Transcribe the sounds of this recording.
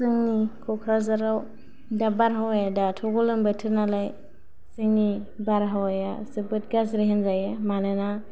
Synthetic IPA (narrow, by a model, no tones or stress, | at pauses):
sɯŋnikʰɔkʰɾazaɾaw | dabaɾɦawajadatʰɔɡulɯmbətʰɯɾnalaj | zeŋni | baɾɦawajasɯbɯt̚ɡas̬ɾiɦɯnzajɯmanɯna